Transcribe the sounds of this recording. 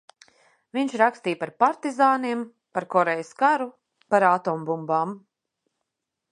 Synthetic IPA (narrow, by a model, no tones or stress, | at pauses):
viɲʃɾakst̪iːjpaɾpaɾt̪izaːniɛm | paɾkɔɾejəskaɾu | paɾat̪ɔːmbumbaːm